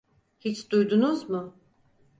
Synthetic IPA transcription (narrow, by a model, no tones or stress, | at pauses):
hit͡ʃd̪ujd̪unuzmʊ